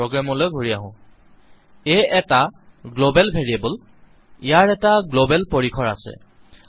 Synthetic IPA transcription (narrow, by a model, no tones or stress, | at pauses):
oɡɹamɔlojɡʱoɹiaɦʊ̃ | eɛtaɡlobɛlbʱeɹiebol | ijaɹɛtaɡlobɛlpoɹikʰɔɹa̰sɛ̰